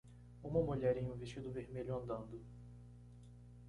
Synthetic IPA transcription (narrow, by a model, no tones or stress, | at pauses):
ũmɐmuʎɛɾẽj̃ũveʃt͡ʃid̪ʊveɾmeʎʊɐ̃nd̪ɐ̃nd̪ʊ